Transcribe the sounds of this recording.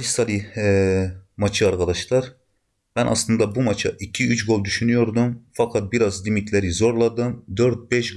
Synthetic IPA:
isalʲi | mat͡ʃʰɯaɾkʰad̪aʃlˠaɾ | b̥ænʔa̰slˠɯnd̪abumat͡ʃʰaʔicʰiyt͡ʃɡo̞lˠd̪yʃynyjo̞ɾd̪umfakʰat̪̚biɾazlʲimit̪lʲeɾizo̞ɾlˠad̪ɯmd̪øɾt̪̚bɛʃɡ

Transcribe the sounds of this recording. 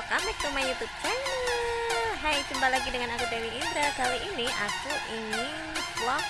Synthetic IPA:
kamɛk̚t̪umaɲut̪ut͡ʃa | ɦajt͡ʃumbalaɡidəŋanakut̪ewiind̪ɾakaliʔiniʔa̰kuʔiŋɪ | slɔ

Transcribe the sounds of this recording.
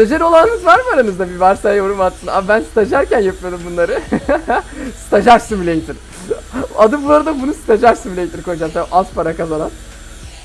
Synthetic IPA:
st̪ed͡ʒaɾo̞lˠanɯnɯzvaɾmaɾanɯzd̪abivaɾsajjoɾumat̪sɯna̰bænst̪ʰad͡ʒaɾcænjapmad̪umbunˠaɾɯ | st̪ʰad͡ʒaɾsɯmilʲejit̪ʰiɾ | ad̪ɯmbunˠaɾɯd̪abunust̪ʰad͡ʒaɾsɯnmlʲejt̪ʰiɾkojd͡ʒamt̪aʔalˠt̪pʰaɾakazanan

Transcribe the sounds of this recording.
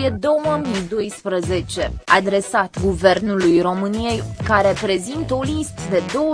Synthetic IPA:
ed̪o̞wəmijd̪o̞jspɾəze̞t͡ʃe̞ad̪ɾe̞sat̪ɡuve̞rnulujro̞mɨnije̞jkaɾe̞pɾe̞zint̪əo̞list̪əd̪e̞d̪o̞wə

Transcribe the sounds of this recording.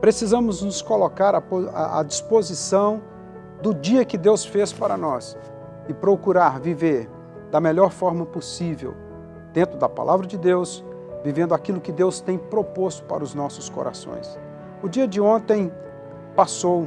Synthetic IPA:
pɾesizɐ̃mʊznʊskolokaɾɐoa̰a̰d͡ʒispozisɐ̃w̃ | d̪ʊd͡ʒiɐkɪd̪ewsfespaɾɐnɔs | ɪpɾokuɾaɾviveɾ | d̪ɐmeʎɔɾfɔɾmɐposivḛw | d̪̥ẽnt̪ɾʊd̪ɐpa̰lʔavɾɐd͡ʒɪd̪ews | vivẽnd̪ʊakilʊkɪd̪ewst̪ẽj̃pɾopost̪ʊ̥pa̰ɾʊznɔsʊsko̰ɾa̰sõ̰j̃s | ʊd͡ʒiɐd͡ʒɪõnt̪ẽj̃ | pasow

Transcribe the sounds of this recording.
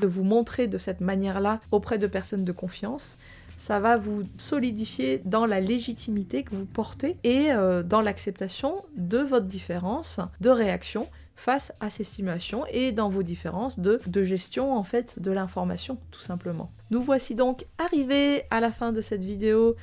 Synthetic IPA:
d̪əvumɔ̃t̪χed̪əsɛt̪manjɛʁlaopχɛd̪əpɛʁsɔnd̪əkɔ̃fjɑ̃sː | avavusɔlid̪ifjed̪ɑ̃laleʒit̪ʰimit̪ekəvupɔʁt̪eːød̪ɑ̃laksɛp̚t̪asjɔ̃d̪əvɔt̪χd̪ifeʁɑ̃sd̪əʁeaksjɔ̃ | fasasɛst̪imyasjɔ̃ʔed̪ɑ̃vod̪ifḛʁɑ̃sd̪əd̪əʒɛst̪jɔ̃ɑ̃fɛt̪d̪əlɛ̃fɔʁma̰sjɔ̃t̪u̥sɛ̃pləmɑ̰̃ | nuvwasid̪ɔ̃kaʁivealafɛ̃d̪əsɛt̪vid̪eo

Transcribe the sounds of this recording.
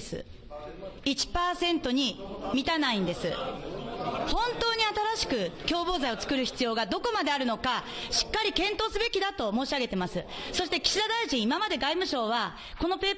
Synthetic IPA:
sɨ̰ | it͡ɕi̥paːsẽ̞nt̪o̞ɲ̟imʲit̪anaĩnd̪e̞sɨ̰ | hõ̞nt̪o̞ːɲ̟iat̪aɾaɕi̥kɯ̟kʲo̞ːbo̞ːzaio̞t͡sɨ̥kɯ̟ɾɯ̟çi̥t͡sɨjo̞ːɡad̪o̞ko̞mad̪e̞aɾɯ̟no̞kaɕi̥kːaɾʲikẽ̞nt̪o̞ːsɨbe̞kʲid̪at̪o̞moːɕiaɡe̞t̪e̞masɨso̞ɕi̥t̪ekʲi̥ɕid̪ad̪aiʑĩɰ̃imamad̪e̞ɡaimɯ̟ɕo̞ːβ̞a | ko̞no̞pe̞ː

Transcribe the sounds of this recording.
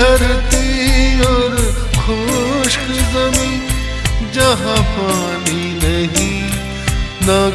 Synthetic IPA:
ɐɾt̪iɔːɾ | kʰoʃkzɐmĩːn | d͡ʒɐɦãpaː | ni | nɐɦi | naː

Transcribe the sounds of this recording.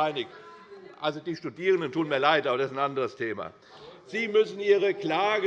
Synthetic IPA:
aɪnɪkʔalzodiːʃtudiːʁəndəntʰuːnmiːɐlaɪtʔaːbɐd̥asɪsnʔandəʁəstʰeːma̰ | z̥iːmʏsn̩iːʁəklaːɡ

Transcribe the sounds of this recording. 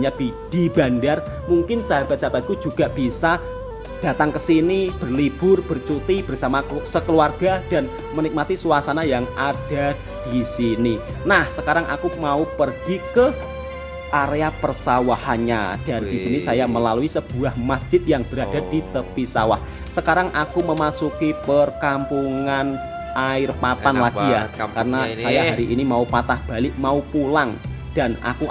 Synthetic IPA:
ɲab̥id̥iba̤ndar | muŋkɪnsəɦab̥at̪̚sab̥at̪̚kud͡ʒuɡaʔb̥isa | d̥a̤t̪aŋkəsinib̥ərlib̥ʊrb̥ərt͡ʃut̪ib̥ərsamasəkəluarɡ̥ad̥an | mənik̚mat̪isuasanajaŋad̥a | d̥isini | nahsəkaɾaŋʔa̰kumaupərɡ̥ikə | ʔaɾeapərsawahaɲa̰d̥andisinisajaməlaluisəb̥ṳahmasʒ̥ɪt̪̚jaŋb̥əɾad̥ad̥it̪əpisa̰wa̰h | səkaɾaŋʔakuməmasukipərkampuŋan | ʔaɪrpapanlaɡ̥ijakarnasajaɦaɾiʔinimaupat̪ahb̥a̤lɪʔmaupulaŋ | d̥anʔa̰ku

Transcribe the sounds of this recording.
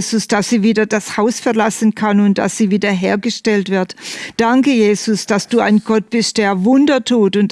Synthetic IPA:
zʊsd̥asz̥iːviːdɐdashaʊsfɛɐlasənkʰanʊnt̚d̥a̰sz̥iːviːdɐɦeːɐɡəʃtɛltv̥ɪɐtd̥aŋkəjeːzʊsd̥asd̥uːa̰ɪnɡ̥ɔt̚b̥ɪstd̥eːɐvʊndɐtʰuːtʊnt

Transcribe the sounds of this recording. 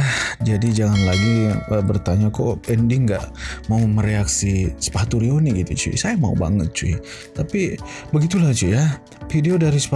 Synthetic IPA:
ad͡ʒadid͡ʒaŋanlaɡiaŋəbərt̪aɲakopɛndiŋɡaʔmauməɾeaksisə̥pat̪uɾioniɡit̪ṵt͡ʃṵsajama̰ṵba̰ŋət̪̚t͡ʃui | t̪apibəɡit̪ulaht͡ʃuja | fideodaɾisə̥pa

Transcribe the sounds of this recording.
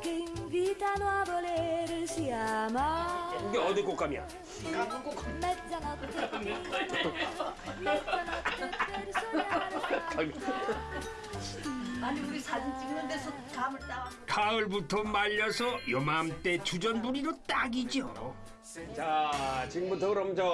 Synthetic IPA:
kenbit̪ʰanoabʌleɾɯɕʰiamakɯnd̪eʌd̪ikok͈amia̰ | akoka | a | aɲimeuɾisʰad͡ʑint͡ɕ͈iŋnɯndesʰʌ | kamɯɭt̪akʰaɯɭbutʰʌmaʎːʌsʰʌjʌmamt͈e̞t͡ɕud͡ʑʌnbuɾiɾot͈aɡid͡ʑio | t͡ɕat͡ɕiɡɯmbut̪ʰʌɯɾʌmd͡ʑʌ

